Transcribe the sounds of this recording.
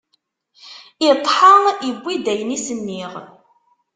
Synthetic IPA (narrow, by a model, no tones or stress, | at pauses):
ət̪ˤːħəibʷːid̪æjnisənːiʁ